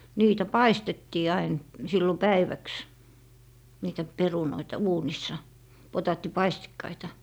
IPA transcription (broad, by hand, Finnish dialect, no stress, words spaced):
niːtæ pɑistetːiː ɑin silːo pæiʋæks niːtæ perunoitɑ uːnisːɑ potɑːtːipɑistikːɑitɑ